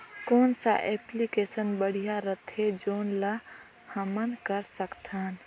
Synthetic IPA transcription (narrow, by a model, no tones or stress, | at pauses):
koːnsa̰ʔeːplikeːsənbəɽ̤ijaɾət̪ʰed͡ʒoːnla | həmənkəɾsəkt̪ʰaːn